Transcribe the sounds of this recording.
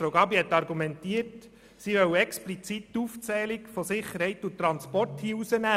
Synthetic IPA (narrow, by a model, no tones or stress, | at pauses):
ɾoʊɡɑbihɛt̪ːɑɾɡumɛntiət | siʋœwɛksplit͡sitːuft͡sɛːlikfosɪχəɾhɛɪt̪ut̪ːɾɑnspɔɾthiːusənæː